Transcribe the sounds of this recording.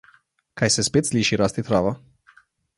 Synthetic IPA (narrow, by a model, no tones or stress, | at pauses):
kajsəspet̪sʲlʲiʃiɾast̪it̪ɾava